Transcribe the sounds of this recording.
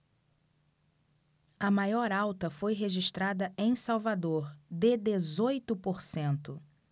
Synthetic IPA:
ɐmajɔɾawt̪ɐfojɦeʒiʃt̪ɾad̪ɐʔẽj̃sawvad̪oɾd̪ɪd̪ezojt̪ʊpoɾsẽnt̪ʊ

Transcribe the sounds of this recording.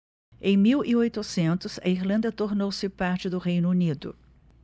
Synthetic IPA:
ẽj̃miwiojt̪ʊsẽnt̪ʊzɐ̰iɾlɐ̃nd̪ɐt̪oɾnowsɪpaɾt͡ʃɪd̪ʊɦejnʊunid̪ʊ̰

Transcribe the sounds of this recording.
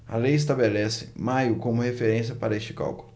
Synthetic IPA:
ɐ̰lejɪs̬t̪abelɛsɪ̥majʊkõmʊhefeɾẽsiɐpaɾɐest͡ʃɪ̥ka̰wkʊllʊ

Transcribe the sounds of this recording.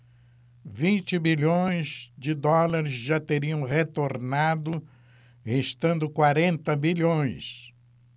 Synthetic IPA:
vĩnt͡ʃɪbilõj̃zd͡ʒɪd̪ɔlaɾɪzʒat̪eɾiɐ̃w̃ʁet̪oɾnad̪ʊ | heʃt̪ɐ̃nd̪ʊkwaɾẽnt̪ɐbiʎõj̃s

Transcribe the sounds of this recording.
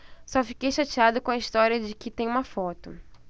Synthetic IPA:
sɔfi̥kejʃat͡ʃiad̪ʊkõɐist̪ɔɾjɐd͡ʒɪkɪt̪ẽj̃ũmɐfɔt̪ʊ

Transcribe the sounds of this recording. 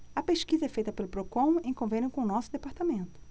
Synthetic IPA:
ɐpeʃkizɐɛfejt̪ɐpelʊpɾokõw̃ẽj̃kõvẽnjʊkõʊnɔsʊd̪epaɾt̪amẽnt̪ʊ̥

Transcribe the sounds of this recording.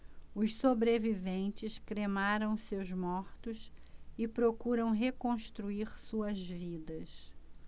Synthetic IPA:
ʊssobɾevivẽnt͡ʃɪskɾemaɾɐ̃w̃sewzmɔɾt̪ʊsɪpɾokuɾɐ̃w̃ɦekõʃt̪ɾuiɾsuɐzvid̪ɐs

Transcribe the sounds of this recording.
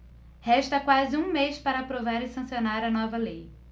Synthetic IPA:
hɛʃt̪ɐkwazɪũmejspaɾɐːpɾovaɾɪsɐ̃sionaɾɐnɔvɐlej

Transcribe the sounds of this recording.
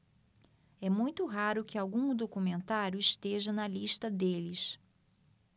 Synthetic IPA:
ɛmũj̃t̪ʊɦaɾʊkɪawɡũd̪okumẽnt̪aɾjʊɪʃt̪eʒɐnɐliʃt̪ɐd̪elɪs

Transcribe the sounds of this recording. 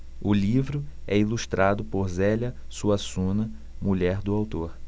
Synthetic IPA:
ʊlivɾʊɛiluʃt̪ɾʔad̪ʊpoɾzɛlɐsuɐsũnɐ | muʎɛɾd̪ʊawt̪oɾ

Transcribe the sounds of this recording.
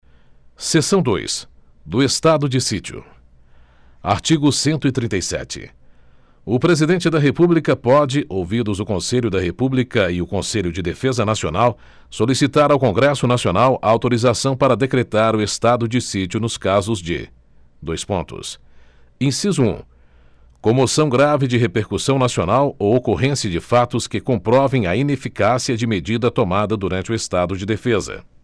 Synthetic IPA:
sesɐ̃w̃d̪o̰js | d̪ʊest̪ad̪ʊd͡ʒɪsit͡ʃiʊ̰ | a̰ɾt͡ʃiɡʊsẽnt̪ʊɪt̪ɾĩt̪ɐjsɛ̰t͡ʃɪ̰ | ʊpɾezid̪ẽnt͡ʃɪd̪ɐɦepublikɐpɔd͡ʒɪʔowvid̪ʊzʊkõseʎʊd̪ɐɦepublikɐɪʊkõseʎʊd͡ʒɪd̪efezɐnasio̰naw | solisit̪aɾawkõɡɾɛsʊnasionawɐawt̪oɾizasɐ̃w̃paɾɐd̪ekɾet̪aɾʊest̪ad̪ʊd͡ʒɪsit͡ʃiʊnʊskazʊzd͡ʒɪ̰ | d̪ojspõnt̪ʊ̰s | ẽsizʊṵ̃ | kõmosɐ̃w̃ɡɾavɪd͡ʒɪɦepeɾkusɐ̃w̃nasionawowokoɦẽsiɐd͡ʒɪfat̪ʊskɪkõmpɾɔvẽj̃ɐinefikasiɐd͡ʒɪmed͡ʒid̪ɐt̪omad̪ɐd̪uɾɐ̃nt͡ʃɪʊest̪ad̪ʊd͡ʒɪd̪efezɐ̰

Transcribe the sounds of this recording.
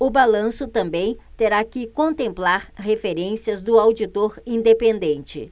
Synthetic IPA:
ʊbalɐ̃sʊt̪ɐ̃mbẽj̃t̪eɾakɪkõnt̪ẽmplaɾhefeɾẽsiɐzd̪ʊawd͡ʒit̪oɾĩnd̪epẽnd̪ẽnt͡ʃɪ̰

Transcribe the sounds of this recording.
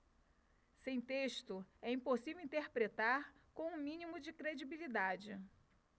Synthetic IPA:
sẽj̃t̪eʃt̪ʊɛĩposivewĩnt̪eɾpɾet̪aɾkõũmĩnimʊd͡ʒɪkɾed͡ʒibilid̪ad͡ʒɪ

